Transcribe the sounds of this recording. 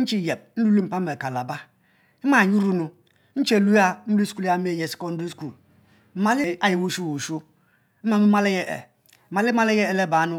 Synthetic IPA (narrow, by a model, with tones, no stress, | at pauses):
n̩˦t͡ʃi˦˨je˨b̚n̩˦lu˦li˦m̩˦pa˦me˨ka˨la˨ba˦ | i˦ma˦˨ɲu˦ɾu˦nu˨ | n̩˦t͡ʃe˨lu˦a˦m̩˦lu˦sku˦la˦mi˦e˦˨je˨si̥˦ko˦n̩˦du˦sku˦˨l | m̩˦ma˨li˦a˦ji˨wu˦ʃu˦wu˨ʃu˦ | m̩˦ma˦mi˦ma˦le˦je˦ʔḛ˨ | ma˨li˦ma˦le˦je˦e˨le˦˨ba˨˦nu˦